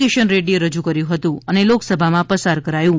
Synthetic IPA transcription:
keʃənɾeɖieɾəd͡ʒukəɾjũɦət̪ũəneloksəbʱamãpəsaɾkəɾajũ

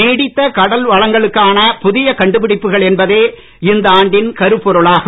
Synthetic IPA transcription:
eːɽɪt̪ːɐkɐɽɐlʋɐɻɐŋɡɐɭɯkːaːnɐpʊðɪjɐkɐɳɖɯpɪɽɪpːɯɣɐɭɛnbɐðeː | ɪnd̪ɐaːɳɖɪnkɐɾɯpːɔɾɯɭaːɣ

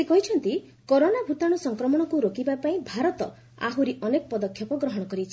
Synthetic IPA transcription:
ekɔɦit͡ʃʰɔnt̪i | koɾonabʱut̪aɽ̃usɔŋkɾɔmɔɽ̃ɔkuɾokibapaĩbʱaɾɔt̪ɔ | a̰ɦuɾiʔɔnekɔpɔd̪ɔkʰjɔpɔɡɾɔɦɔɽ̃ɔkɔɾit͡ʃʰi̥

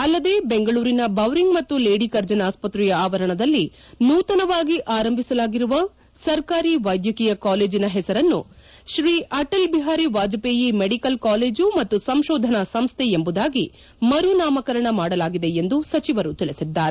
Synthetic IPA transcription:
ɐlːɐd̪e̞ːbeŋɡɐɭuːɾinɐbɐʋɾiŋɡmɐt̪ːule̞ːɽikɐɾd͡ʒɐnaːspɐt̪ɾijɐaːʋɐɾɐɳɐd̪ɐlːi | nuːt̪ɐnɐʋaːɡiʔaːɾɐmbʱisɐlaːɡiɾuʋɐ | sɐɾkaːɾiʋɐjd̪jɐkijɐkaːle̞ːd͡ʒinɐɦɛsɐɾɐnːuʃɾiːʔɐʈɐlbiɦaːɾiʋaːd͡ʒɐpeːjimeɽikɐlkaːleːd͡ʒumɐt̪ːusɐmʃoːd̪ʱɐnɐsɐmst̪ʰeembud̪aːɡi | mɐɾunaːmɐkɐɾɐɳɐmaːɽɐlaːɡid̪e̞end̪usɐt͡ʃiʋɐɾut̪iɭisid̪ːaːɾe

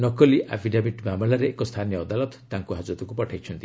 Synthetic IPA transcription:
nɔkɔliʔʔa̰bʰʱiɖabiʈbamɔɭaɾeːkɔst̪ʰanijɔːd̪alɔt̪t̪aŋkuɦad͡ʒut̪ɔkupɔʈʰajt͡ʃʰɔnt̪i

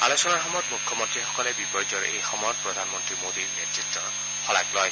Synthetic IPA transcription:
a̰losɔnaɹxɔmɔɔtmukʰːɔmɔntɹixɔkɔlɛbipɔjd͡ʒɔɹejxɔmɔjɔt̚pɹɔd̪ʱanmɔntɹimodiɹnetɹitːɔ | xɔla̰klɔj

